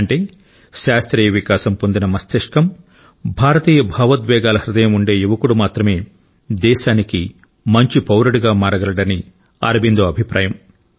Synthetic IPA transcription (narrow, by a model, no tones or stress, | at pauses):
ɳʈeː | ʃaːst̪ɾiːjɐʋikaːʃɐmpond̪inɐmɐst̪eʂkɐm | bʱaːɾɐt̪iːjɐbʱɐːʋɐt̪ʋɛːɡaːlɐhɾid̪ɐjɐmuɳɖe̞ːjuʋɐkuɽumaːt̪ɾɐme̞ː | d̪ɛːʃaːniki | mɐɲt͡ʃipɐwɾɐɽuɡaːmaːɾɐɡɐlɐɽɐni | a̰ːɾɐbind̪oːɐbʱipɾa̰ːjɐm